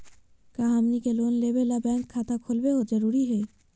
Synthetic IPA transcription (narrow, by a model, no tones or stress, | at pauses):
kaːɦaːmnikeloːnleːbelabɛ̃ːŋkʰːaːt̪akʰolweɦod͡ʒɐɾuːɾiɦɛː